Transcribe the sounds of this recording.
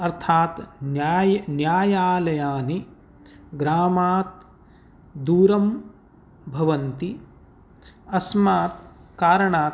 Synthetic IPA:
ɐɾt̪ʰaːt̪njaːjnjaːjaːlɐjaːni | ɡɾaːmaːt̪̚ | d̪uːɾɐm | bʱɐʋɐnt̪i | ɐsmaːt̪kaːɾɐɳaː

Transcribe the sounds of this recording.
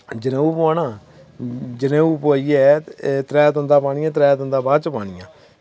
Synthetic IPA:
d͡ʒɪnẽːuːpoaːnãː | d͡ʒɪnẽːuːpoiːɛːt̪ɾɛːt̪ʊ̃nd̪aːpaːɳ̃ijãːt̪ɾɛːt̪ʊ̃nd̪aːbaːt͡ʃəpaːɽ̃ɪːãː

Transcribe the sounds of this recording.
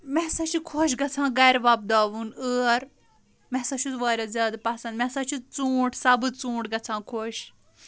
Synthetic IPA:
mɛɦsaːt͡ʃʰikʰoʃɡɐt͡sʰãːɡɐɾʋɐb̚d̪aːʋunəːɾ | mɛɦsaːt͡ʃʰuʋaːɾʲazʲjaːd̪pɐsɐ̃nd̪mɛɦsaːt͡ʃʰut͡sũːʈsɐbɨt͡sũːɳʈɡɐt͡sʰãːkʰoːʃ

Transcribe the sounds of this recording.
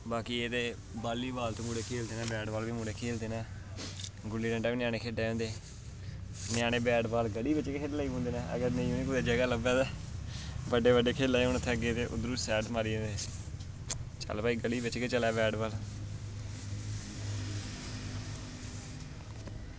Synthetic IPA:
baːkiːeːt̪eː | baːliːbaːlt̪oːmuːɽeːkʰeːld̪eːnɛːbɛːɖbaːlʋiːmuːɽeːkʰeːld̪eːnɛː | ɡʊlːiːɖə̃ɳʈaːʋiːnɪjãːneːkʰeːɖeːɦõːnd̪eː | nɪjaːñeːbɛːɖbaːlɡəliːbɪt͡ʃkeːkʰeːɖlaːiːõːnd̪eːnɛːʔə̰ɡəɾnə̃ĩːoːneːkʊd̪eːd͡ʒəɡaːləbɛːt̪ɛː | bəɖeːbəɖeːkʰeːlːaːeːʊñət̪ʰːeːəɡeːt̪eːʔʊ̰d̪ɾuːsɛːʈmaːɾĩːd̪eː | t͡ʃə̰lpaːiːɡəliːbɪt͡ʃket͡ʃəlɛːbɛːɖbaːl

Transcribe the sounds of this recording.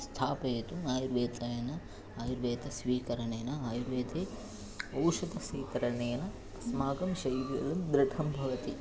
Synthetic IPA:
st̪ʰaːpɐet̪umaːjuɾʋeːt̪ʰɐjɐnɐ | aːjuɾʋeːt̪ɐsʋiːkɐɾɐɳeːnɐaːjuɾʋeːt̪ʰeː | ɐwʃɐd̪ɐsʋiːkɐɾɐneːnɐ | smaːɡɐmʃɐjʋjɐ̰d̪ɐmd̪ɾɪʈʰɐmbʱɐʋɐt̪i

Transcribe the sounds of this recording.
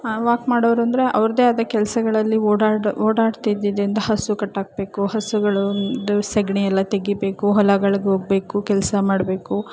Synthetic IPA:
ʋaːkmaːɽoʋɾuɐnd̪ɐɾe̞ʔɐʋɾɐd̪e̞ːad̪ɐkɛlɐsɐɡɐɭɐlːioːɽaːɖoːɽaːɖt̪id̪id̪ɾind̪ɐɦɐsukɐʈːaːɡ̚be̞ːkuhɐsuɡɐɭnd̪usɐɡɳijɛlːɐt̪eɡibe̞ːkuɦɔlɐɡɐɭɡeɦoːɡ̚be̞ːkukɛlsɐmaːɽbe̞ːku

